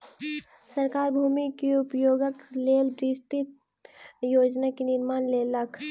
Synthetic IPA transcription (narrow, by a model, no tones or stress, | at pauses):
sɐɾkaːɾbʱuːmikiʊpjoːɡəkleːlbɾiːst̪it̪̚ | joːd͡ʒnakinɪɾmaːnleːlɐkʰ